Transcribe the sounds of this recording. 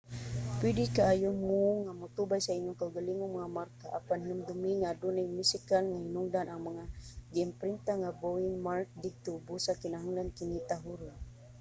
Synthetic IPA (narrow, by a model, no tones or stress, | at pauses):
pwidikaajʊmuŋamut̪ubajsaiɲʊŋkauɡaliŋʊŋmaŋamarkaʔapanhinumd̪ʊmiŋadunimusikanŋahinʊŋdanaŋmaŋaɡiːmpɾint̪aŋaboiŋmaɾk̚d̪ɪɡ̚t̪obusakɪnaɦaŋlankinit̪aɦuɾʊn